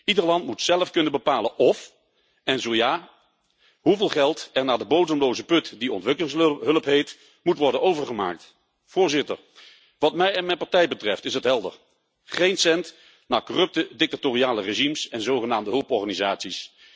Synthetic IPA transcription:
idəɹlɑntmutsɛləfkɵnənbəpaːlənʔɔf | ɛnzowjaː | ɦuvɪːlˠχɛlˠtɛɹnaːdəbowdəmlowzəpɵtdiɔ̰ntʋɪkəlɪŋsɦɵləpɦejt | mutʋɔɹdənowvəɹχəma̰ːk̚t | vʊːɹzɪtə̰ɹ | ʋɑtmɛjɛnmɛnpɑɹtɛjbətrɛftɪsətɦɛlˠdə̰ɹ | χejnsɛnt | naːɹkɔrɵp̚tədɪk̚tatoːriaːləreʒimsɛnzowχənaːmdəɦɵlˠpɔɹχaːnizaːtsis

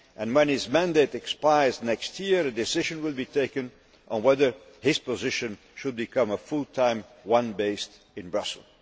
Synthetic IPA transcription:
ʔɨ̃nwɛ̃nɪzmæ̃ndeɪɾɨkspaɪznɛkst̚ʰjiɹɨdɨsɪʒɨ̃nwɪlˠbitʰeɪkɨ̃n | ʔə̃nwɛðə˞ | hɪz̥pəzɪʃɨ̃n | ʃɨd̚bɨkʰʌ̃məfʊlˠtʰãɪ̃mwʌ̃nbeɪst | ɨ̃nbɹʌsl̩ˠ

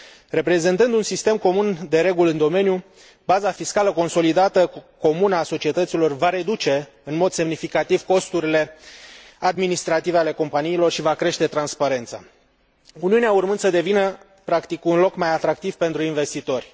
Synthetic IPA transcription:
re̞pɾe̞ze̞nt̪ɨnd̪unsist̪e̞mko̞mund̪e̞ɾe̞ɡulɨnd̪o̞me̞nʲju | bazafiskaləko̞nso̞lid̪at̪əko̞munəaso̞t͡ʃie̞t̪ət̪silo̞rvaɾe̞d̪ut͡ʃe̞ | ɨnmo̞d̪se̞mnifikat̪iv̥ko̞st̪uɾile̞ | ad̪minist̪ɾat̪iveale̞ko̞mpaniːlo̞rʃivakɾe̞ʃt̪e̞t̪ɾanspaɾe̞nt̪sa | uniuneaurmɨnd̪səd̪e̞vinə | pɾakt̪ikunlo̞kmajat̪ɾak̚t̪iv̥pe̞nt̪ɾuinve̞st̪it̪o̞rʲ

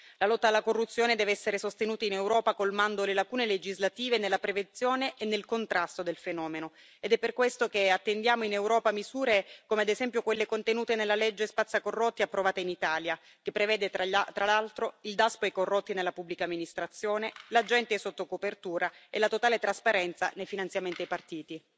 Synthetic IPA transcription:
lalɔt̪ːaːlːakorːut̪sːjoːned̪ɛːveɛsːeɾesost̪enuːt̪ainewɾɔːpakolmand̪olelakuːneled͡ʒizlat̪iːvenelːapɾevent̪sːjoːneʔːnːelkont̪ɾast̪od̪elfenɔːmeno | ed̪ɛpːerkwest̪okeat̪ːend̪jaːmoinewɾɔːpamizuːɾekomead̪ezɛmpjokwelːekont̪enuːt̪enelːalɛd͡ʒːespat̪sːakorːot̪ːiapːɾovaːt̪ainit̪aːlja | k̟epːɾevɛːd̪et̪ɾalalt̪ɾoild̪aspoejkorːot̪ːinelːapubːlikamːinist̪ɾat̪sːjoːnelad͡ʒɛnt̪esot̪ːokopert̪uːɾaelat̪ot̪aːlet̪ɾaspaɾɛnt̪sanejfinant̪sjament̪iajpart̪iːt̪i

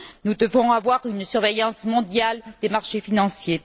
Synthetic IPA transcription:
nud̪əvɔ̃avwaʁynsyʁvejɑ̃smɔ̃d̪jald̪emaʁʃefinɑ̃sje

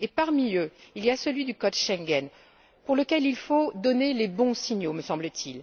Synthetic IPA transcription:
epaʁmiøilijasəlɥid̪ykɔd̪ʃɛ̃ŋɡɛn | puʁləkʲɛlilfod̪ɔnelebɔ̃siɲjoməsɑ̃blət̪ʰil

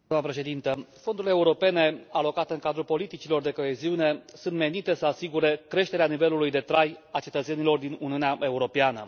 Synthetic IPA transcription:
aməpɾe̞ʃe̞d̪int̪əfo̞nd̪uɾleːuɾo̞pe̞ne̞alo̞kat̪eɨŋkad̪ɾupo̞lit̪it͡ʃilo̞rd̪e̞ko̞eziune̞sunt̪me̞nit̪e̞səasiɡuɾe̞kɾe̞ʃt̪e̞ɾeanive̞lulujd̪e̞t̪ɾajat͡ʃe̞t̪ət̪se̞nilo̞rd̪inuniuneaʔe̞uɾo̞peanə̰

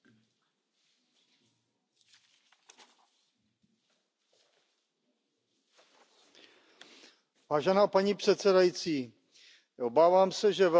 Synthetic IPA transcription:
vaːʒɛnaːpaɲiːpr̝̥ɛt̪sɛdajit͡siː | ʔobaːvaːmsɛʒɛvɛ

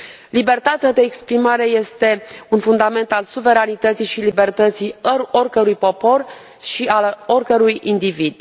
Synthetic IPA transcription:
libe̞rt̪at̪ead̪e̞ːkspɾimaɾe̞je̞st̪e̞unfund̪ame̞nt̪alsuve̞ɾanit̪ət̪sijʃilibe̞rt̪ət̪siəɾorkəɾujpo̞po̞r | ʃiaorkəɾujind̪ivid̪̥

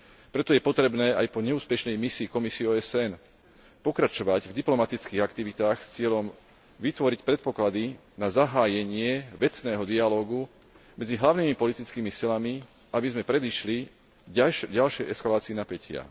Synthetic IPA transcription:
pɾɛt̪ɔjɛpɔt̪ɾɛbnɛːajpɔɲɛuːspɛʃnɛjmisiːkɔmisiɛɔːɛsɛn | pɔkɾat͡ʃɔʋaɟvd̪iplɔmat̪it͡skiːɣakt̪iʋit̪aːxst͡sɪɛʎɔm | ʋit̪ʋɔɾicpɾɛt̪̚pɔklad̪inazaɦaːjɛɲɪɛʋɛt͡snɛːɦɔd̪ialɔːɡu | mɛd͡ziɦlaʊnimipɔlit̪it͡skiːmisilami | abizmɛpɾɛd̪iʃli | ɟalʃɪɛjɛskalaːt͡siɛnapɛcɪa̰

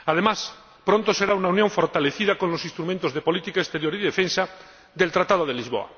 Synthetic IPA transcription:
aðe̞mas | pɾont̪ose̞ɾaunaunjoɱfo̞ɾt̪aleθið̞ako̞nlo̞sĩnst̪ɾumẽnt̪ozðepo̞lit̪ikaest̪e̞ɾjoɾiðefẽnsa | ðe̞lt̪ɾat̪aðoð̞elizβo̞̰a̰

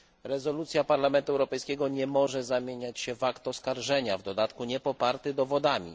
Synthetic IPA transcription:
ɾɛzɔlut̪sʲjapaɾlamɛnt̪uɛwɾɔpɛjskʲɛɡɔɲɛmɔʐɛzamʲjeɲat͡ɕɕɛvakt̪ɔskaɾʐɛɲavd̪ɔd̪at̪kuɲɛpɔpaɾt̪ɘd̪ɔvɔd̪amʲḭ

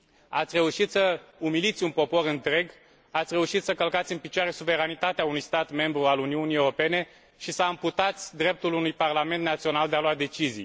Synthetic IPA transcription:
a̰t̪sʲre̞uʃit̪səumilit̪sʲunpo̞po̞ɾɨnt̪ɾe̞ɡ | at̪sʲre̞uʃit̪səkəlkat̪sʲɨnpit͡ʃaɾe̞suve̞ɾanit̪at̪eaunujst̪at̪me̞mbɾualuniuniewɾo̞pe̞ne̞ | ʃisaɨmput̪at̪sʲd̪ɾe̞p̚t̪ulunujparlame̞nt̪nat̪sio̞nald̪e̞aload̪e̞t͡ʃizḭj

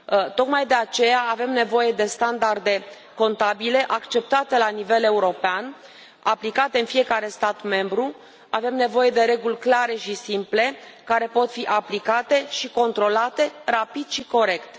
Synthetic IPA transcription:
t̪o̞kmajd̪e̞at͡ʃe̞jaːve̞mne̞vo̞je̞d̪e̞st̪and̪ard̪e̞ | ko̞nt̪abile̞ʔakt͡ʃe̞p̚t̪at̪e̞lanive̞le̞uɾo̞pean | aplikat̪e̞ɨnfije̞kaɾe̞st̪at̪me̞mbɾu | ave̞mne̞vo̞je̞d̪e̞ɾe̞ɡulʲklaɾe̞ʃisimple̞kaɾe̞po̞t̪fiʔaplikat̪e̞ʃiko̞nt̪ɾo̞lat̪e̞rapid̪̥ʃiko̞ɾe̞kt̪

